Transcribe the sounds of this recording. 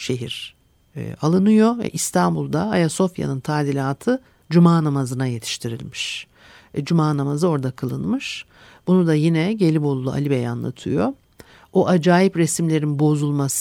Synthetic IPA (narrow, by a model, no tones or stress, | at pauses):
ʃe̞ɦiɾ̥̰ | alˠɯnɯjo̞vɛ̰ʔist̪ʰanbulˠd̪aajaso̞fja̰nɯnt̪ʰaːd̪ilʲaːt̪ʰɯ | d͡ʒumaːnamazɯnaje̞t̪ʰi̥ʃt̪ʰiɾḭlʲmiʃ | d͡ʒumaːnamazɯo̞ɾd̪akʰɯlˠɯnmɯʃ | b̥unud̪ajinɛɟe̞lʲibo̞lˠulˠua̰lʲibeja̰nlˠa̰t̪ʰɯjo̞ | oʔad͡ʒaːjipɾesimlʲe̞ɾinbo̞zulˠmas